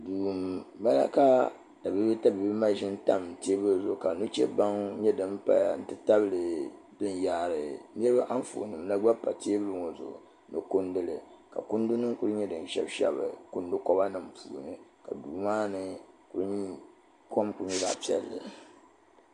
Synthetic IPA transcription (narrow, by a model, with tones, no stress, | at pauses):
duː˨m˨ba˦la̰˦ka˦ | ta˨bi˦bɨ˦ta˦bi˨˦bɨ˦ma˦ʒɪ˦n˦ta̰˦m˨teː˦bɨ˦lzʊ˨ka˨nu˦t͡ʃɛ̰˦ba˦ŋɲɛ˦dɨ˦˨m˦pa˨n̩˦tɨ˦ta˦bɨ˦˨lɨ˨ | dɨ˦nja˨ɾɨ˨nɛ˦ɾɨ˦a˦ʔa˦n˦fo̰˨nɨ˨mla˦ɡ͡ba˦pːa˨tʰeː˦bɨ˦lɨ˦ŋo˨zʊ̰˨ | nɨ˨kʊ˦ndɨ˦lɨ˨ka̰˨kʊ˦n˦du˦nɨ˦ku˦ɾɨ˦ɲɛ˦dɨ˨n˨ʃɛ̰˦bʃɛ̰˦bɨ̰˨kʊ˦n˦dɨ˦kɔ˦ba˦nɨ˨m̩˨pʰṵː˨nɨ˨ka̰˨duː˨maː˦nɨ˨ku˨ɾɨ˦ɲi˦ | kʰo˦mku˨˦ɲɛ˦da̰˨pi˦ɛ̰˨lːɨ˨